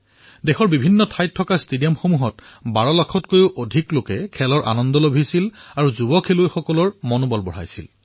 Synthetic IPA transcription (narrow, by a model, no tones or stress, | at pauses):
dɛxʰɔɹbibʱinːɔtʰajtʰːɔkaɹstedijɔmxomuɦɔtbaɹɔlakʰɔtkojʊʔodʱiklokɛkʰɛlɔɹʔa̰nɔndɔlobʱisilaɹuzubɔkʰelojxɔkɔlɔɹmɔnobɔlbɔɹ̤a̰jsḭl